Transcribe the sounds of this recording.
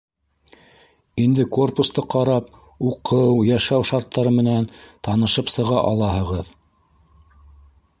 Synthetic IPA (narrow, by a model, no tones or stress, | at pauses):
ind̪ɘko̞rpust̪ɤqɑɾɑp | uqʰɤwjæʃæwʃɑɾt̪ːɑɾɤmɘ̆nænt̪ɑnɤ̆ʃɤpsɤ̆ʁɑʔɑlˠɑhɤ̆ʁɤð